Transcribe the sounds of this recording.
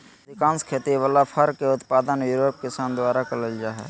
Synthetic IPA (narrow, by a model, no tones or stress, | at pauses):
d̪ɪkãːnskʰeːt̪iʋaːlapʰəɾkeʊt̪paːd̪ənjuːɾoːp̚kɪsaːnd̪ʊaːɾakələld͡ʒaːɦɛ̰ː